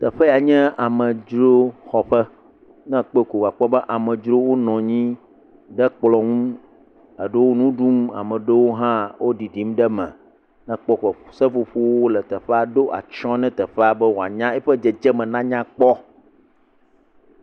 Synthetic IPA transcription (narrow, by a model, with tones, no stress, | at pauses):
t̪ə˨ɸɛ˦ja˨ɲɛ̃˦a˨mɛ̃˨d͡ʒɾo˦xɔ˨ɸɛ˦ | nɛ̃˦k͡pe˦ko˨ɡa˨k͡pɔ˦bɛ˦ʔa˨mɛ̃˨d͡ʒɾo˦wo˦nɔ̃˨ɲĩ˦ | ɖɛ˦k͡plɔ˨ŋũ˦ | ə˨ɖə˦wo˦nũ˦ɖu˦ma̰˨mɛ̃˨ɖə˦wo˦ɦã˦wʔo˦ɖi˨ɖi˨mɖɛ˦mɛ̰̃˨ | nɛ̃˦k͡pɔ˦kɔ˨sɛ˦fo˨ɸu˦wo˦lɛ˨t̪ɛ˨ɸɛ˦a˨ɖo˦ʔa̰˨t͡ʃɔ̃˦nɛ̃˦t̪ɛ˨ɸɛ˦a˨bɛ˦wo˨a̰˨ɲã˦ɛ˦ɸɛ˦d͡ʒɛ˨d͡ʒɛ˦mɛ̃˨nã˦ɲã˦k͡pɔ˦